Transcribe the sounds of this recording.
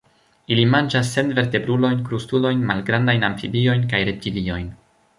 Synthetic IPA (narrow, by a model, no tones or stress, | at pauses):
ilimand͡ʒas̬ːe̞nve̞ɾte̞bɾulo̞jnkɾustulo̞jnmalɡɾandajnaɱfibio̞jnkajɾe̞p̚tilio̞jn